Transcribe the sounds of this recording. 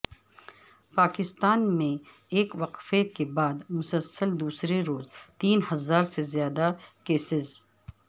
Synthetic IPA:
paːkɪst̪aːnmẽ | eːkʋɐqfekebaːd̪mʊsəlsəld̪uːsɾeɾoːzt̪iːnhɐzaːɾsezjaːd̪akeːsɪz

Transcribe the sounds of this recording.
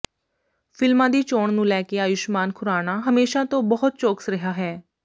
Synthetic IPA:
pʰɪlmãːd̪iːt͡ʃoːɳnũːlɛːkeːaːjʊʃmaːnkʰʊɾaːnaːɦəmeːʃãːt̪õːbəɦʊt̪̚t͡ʃoːksɾəɦaːɦɛː

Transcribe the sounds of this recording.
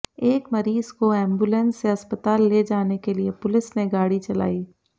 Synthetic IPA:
eːkmɐɾiːzkoɛ̃ːmbulə̃nsːeɐspət̪aːlːed͡ʒaːnekeliepʊlɪsneɡaːɽit͡ʃɐla̰ːiː

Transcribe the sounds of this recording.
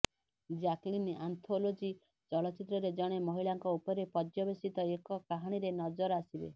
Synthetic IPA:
d͡ʒaklinant̪ʰolod͡ʒi | t͡ʃɔɭɔt͡ʃit̪ɾɔɾed͡ʒɔɽ̃emɔɦiɭaŋkɔupɔɾepɔd͡ʒjɔbesit̪ɔekɔkaɦaɽ̃iɾenɔd͡ʒɔɾasibḛ

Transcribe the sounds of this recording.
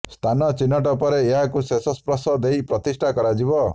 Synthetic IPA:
st̪ʰanɔt͡ʃinːɔʈ̬ɔpɔɾeːɦakusesɔspɾɔsɔd̪ejpɾɔt̪isʈʰakɔɾad͡ʒibɔ

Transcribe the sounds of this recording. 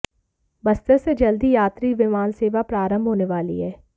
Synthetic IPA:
bəst̪əɾsed͡ʒəld̪iːjaːt̪ɾiːʋɪmaːnseːʋapɾaːɾəmbʱɦoːneʋaːlḭɦɛː

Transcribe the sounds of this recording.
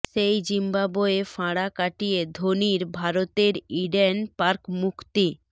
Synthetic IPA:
ʃejd͡ʑimbaboefaɽakaʈied̪ʱoniɾbʱaɾot̪eɾiɖenpaɾkmukʰt̪i

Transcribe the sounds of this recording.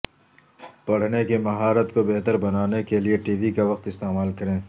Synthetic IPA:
pɐɽ̤nekemɐɦaːɾət̪kobeɦt̪əɾbɐnaːnekelieʈiːʋikaʋɐqt̪ɪst̪eːmaːlkɐɾẽː

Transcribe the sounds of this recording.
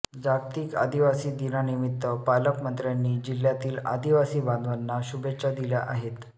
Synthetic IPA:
d͡zaɾt̪iːka̰d̪iʋasiːd̪inanimit̪ːəpaləkmənt̪ɾjanːiːd͡ʑiljat̪iːla̰d̪iʋasiːbãnd̪ʋanːaɕubet͡ɕad̪iljaʔa̰ɦet̪

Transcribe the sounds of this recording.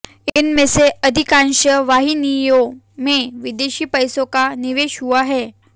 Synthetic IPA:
enmeseəd̪ʱikanɕəʋaɦinijo | meʋid̪eɕiːpəjsokaniʋeɕuaɦe

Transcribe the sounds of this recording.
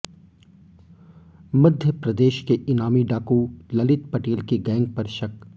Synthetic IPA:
mɐd̪ʱjəpɾɐd̪eːʃkeɪnaːmiɖaːkulɐlɪt̪̚pɐʈeːlkiɡɛ̃ːŋɡ̚pɐɾʃɐk

